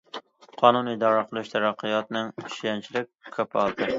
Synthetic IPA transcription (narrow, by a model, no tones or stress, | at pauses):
qʰɒnunid̪ɒɾɑqʰɨlˠɪʃt̪ʰæɾɑqʰːɨjɒt̪nɪŋɪʃjænt͡ʃʰɪlɪk̚ʲkʰɵpʰɒlˠd̪ɪ